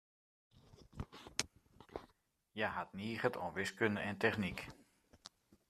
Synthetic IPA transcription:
jaɦat̚niːɣətʰɔ̰nʋɪskøndəʔɛntɛxnik

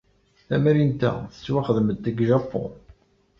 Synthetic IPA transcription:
θæmæɾint̪æ̰θə̥t͡sːwaχəðmət̪ːəɡʒæfo̰

